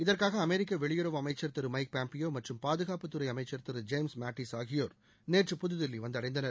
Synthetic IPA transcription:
ɪðɐrkaːɣɐːmɛɾɪk̬ːɐʋɛɭɪjɯɾɐʋɐmɐɪt͡ʃːɐɾt̪ɐɾɯmɐɪk̚paːmpɪjoːmɐʈrɯmpaːðɯɣaːpɯt̪ːɯɾɐɪɐmɐɪt͡ʃːɐɾt̪ɯɾɯd͡ʒeɪmsmaːʈːisaːɣɪjoːɾ | neːʈrɯpʊðɯðɪlːiʋɐnd̪ɐɽɐɪnd̪ɐnɐ

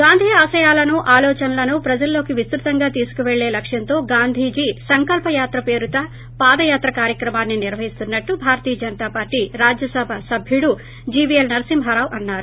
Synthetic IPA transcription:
ɡaːnd̪ʱiaːsɐjaːlɐnuʔaːlɔːt͡ʃɐnɐlɐnupɾɐd͡ʒɐlːo̞ːkiʋist̪ɾut̪ɐŋɡaːt̪iːsu̥kuʋeɭːe̞ːlɐkʂjɐnt̪o̞ːɡaːnd̪ʱiːd͡ʒisɐŋkɐlpɐjaːt̪ɾɐpe̞ːɾut̪ɐ | paːd̪ɐjaːt̪ɾɐkaːɾjɐkɾɐmaːnːiniɾʋɐɦist̪unːɐʈːubʱaːɾɐt̪iːjɐd͡ʒɐnɐt̪aːpaːɾʈiɾaːd͡ʒjɐsɐbʱɐsɐbʱjuɽu | d͡ʒiːʋielnɐɾɐsimɦɐɾaːʋʔɐnːaːɾu

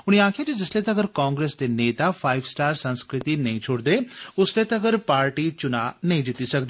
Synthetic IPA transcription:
ʊñiãːkʰijad͡ʒid͡ʒɐslet̪ɐɐɡəɾkãːŋɡɾeːsd̪eneːt̪afʰaːɪʋsʈaːɾsɐ̃nskɾɪt̪inɐɦĩt͡ʃʰoːɽd̪eʊslet̪ɐɐɡəɾpaːɾʈit͡ʃʊnanɐɦĩd͡ʒɪt̪isɐkd̪iː

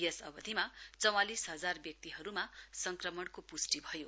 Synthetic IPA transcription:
jʌsʌbʌd̪ʱimat͡sʌw̃alisɦʌd͡zarbjʌk̚t̪iɦʌɾumasʌŋkrʌmʌɽkopusʈibʱʌjo

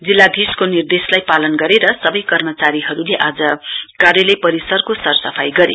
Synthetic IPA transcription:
d͡zilːad̪ʱiskonird̪eslajpalʌnɡʌɾeɾʌsʌbʌjkʌrmʌt͡saɾiɦʌɾuleʔad͡zʌkarjʌlejpʌɾisʌrkosʌrsʌpʰajɡʌɾḛ

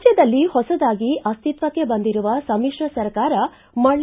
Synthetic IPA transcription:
d͡ʒjɐd̪ɐlːihɔsɐd̪aːɡiʔɐst̪it̪ʋɐkːe̞bɐnd̪iɾuʋɐsɐmiʂɾɐsɐɾkaːɾɐ | mɐɭ

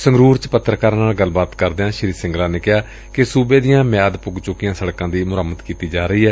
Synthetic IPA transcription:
səŋɡɾuːɾt͡ʃpət̪ːɾəkaːɾnaːlɡəlːbaːt̪kəɾd̪eːãːʃɪɾiːsɪ̃ŋɡlãːneːkɪjaː | kɪsuːbeːd̪ijãːmjaːd̪pʊɡt͡ʃʊkɪjãːsəɽkãːd̪iːmʊɾəmːət̪kiːt̪iːd͡ʒaːɾəiːɛː

